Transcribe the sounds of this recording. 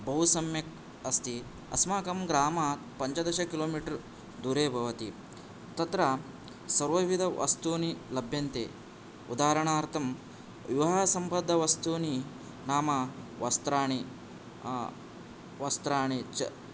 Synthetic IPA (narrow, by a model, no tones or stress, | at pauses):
bɐɦusɐmjɐk | ɐst̪i | ɐ̰smaːkɐmɡɾaːma | pɐɲt͡ʃɐd̪ɐʃɐkiloːmiːʈɐɾ | d̪uːɾeːbʱɐʋɐt̪i | t̪ɐt̪ɾɐ | sɐɾʋɐʋid̪ʱɐʋʔɐ̰st̪uːnilɐbʱjɐnt̪ḛː | ud̪aːɾɐɳaːɾt̪ʰɐm | ʋjuʋɦaːsɐmpɐd̪ʱːɐʋɐst̪uːni | naːmɐʋɐst̪ɾaːɳi | ʋɐst̪ɾaːɳit͡ʃɐ